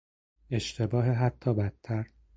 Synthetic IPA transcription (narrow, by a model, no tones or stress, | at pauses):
e̞ʃt̪ʰe̞bɒːɦeɦæt̪ʰːɒːbæt̪ʰːæɾ